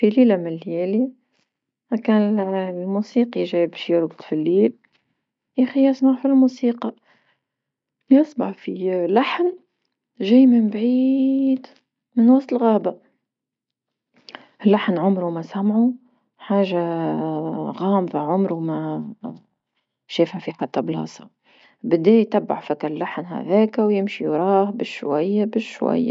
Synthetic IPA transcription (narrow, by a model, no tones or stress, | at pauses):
filiːlamɪnlːjæːli | kæːnlmusiːqiʒæːjbæʃjəɾbt̪ˤfilːiːl | jaxijæsmaʕfilmusiːqɑ | jɑsˤbɑħfilaħn | ʒæːjmɪmbʕid̪ | mɪnwɑst̪əlɣæːba | ɪlːaħnʕʊmɾumæsamʕu | ħaːʒa | ɣɑːmðaʕʊmɾumæ | ʃeːfhæfiħat̪ːɑblɑ̰ːsˤɑ̰ | bɪd̪æːjt̪abːa̰ʕfɪkælːaħnhæ̰ðæːkæwjɪmʃiɾˤɑːhbɪʃwa̰jːabɪʃʃwa̰jːa̰